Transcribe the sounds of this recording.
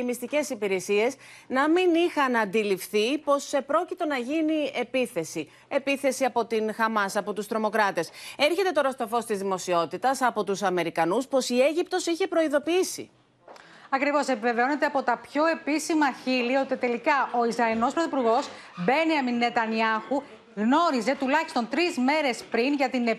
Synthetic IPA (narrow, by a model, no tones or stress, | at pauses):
imist̪ice̞sipiɾe̞sie̞snɐminixɐnɐnd̪ilifθipo̞sepɾo̞cit̪o̞nɐʝinie̞piθe̞si | e̞piθe̞siɐpo̞t̪inxɐmɐsɐpo̞t̪ust̪ɾo̞mo̞kɾɐt̪e̞se̞ɾçe̞t̪e̞t̪o̞ɾɐst̪o̞fo̞st̪izðimo̞sio̞t̪it̪ɐsɐpo̞t̪usɐme̞ɾikɐnuspo̞sie̞ʝip̚t̪o̞siçe̞pɾo̞iðo̞piisḭ | ɐkɾivo̞se̞pive̞veo̞ne̞t̪eɐpo̞t̪ɐpço̞e̞pisimɐçilio̞t̪it̪e̞likɐʔo̞izɾɐino̞spɾoθipuɾɣo̞s | be̞niɐminːe̞t̪ɐniɐxu | ɣno̞ɾize̞t̪ulɐçi̥st̪o̞nt̪ɾizme̞ɾe̞spɾinʝɐt̪ine